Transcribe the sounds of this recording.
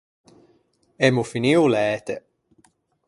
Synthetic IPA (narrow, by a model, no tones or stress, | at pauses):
ɛmufiniulɛːt̪e